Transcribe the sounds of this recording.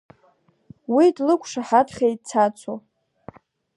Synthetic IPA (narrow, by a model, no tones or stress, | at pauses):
widlɨkʷʰʼʂaħatʰχʲejt̚ʼt͡sʰat͡sʷʰo